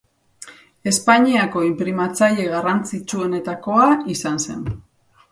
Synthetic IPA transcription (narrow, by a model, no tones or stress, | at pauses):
e̞spaɲiako̞impɾimat͡saʎe̞ɣarant͡sit͡ʃuo̞ne̞t̪ako̞aisanse̞̰n